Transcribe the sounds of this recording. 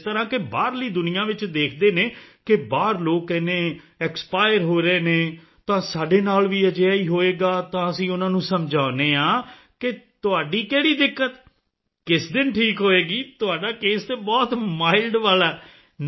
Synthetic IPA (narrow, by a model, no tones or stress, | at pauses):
t̪əɾãːkebaːɾləiːd̪ʊnɪjãːʋɪt͡ʃd̪eːkʰd̪eːneːkɪbaːɾloːkːɛːnẽːɛːkspaːɪəɾɦoːɾeːnẽː | t̪ãːsaːɖeːnaːlʋiːəd͡ʒeaːiːɦoːeːɡaːt̪ãːəsĩːʊnãːnũːsəmd͡ʒaːneːãː | kɪt̪ʊaːɖiːkɛːɽiːd̪ɪkːət̪ | kɪsd̪ɪnʈʰiːkɦoːeːɡiːt̪ʊaːɖaːkeːst̪eːbɔːt̪maːɪlɖʋaːlaː